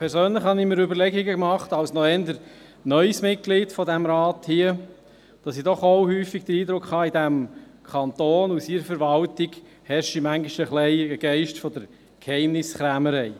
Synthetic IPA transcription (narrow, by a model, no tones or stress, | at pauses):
pʰɛɾsøːnləχhɑnɪməɾøbəɾlɛɡiɡəkmɑχtɑwsnɔɛnd̪əɾ | nœʏsmɪt̚kliːtfɔdæmɾɑːthiə | d̥ɑsidɔχoʊhyːfiɡ̚d̥̪əɾiːd̪ɾʊkχhɑːidæmkʰɑnt̪oːnusiɾəfəɾʋɑltɪɡ | hɛɾʃimæŋɡɪʃəχlɛɪəɡ̥ɛɪʃtfɔd̪əɾ | khɛɪmnɪsχɾæməɾɛɪ